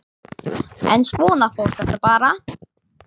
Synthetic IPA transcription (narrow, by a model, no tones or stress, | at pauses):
ɛ̰nsvɔːnafɔwl̥t̪ɛft̪apaːɾa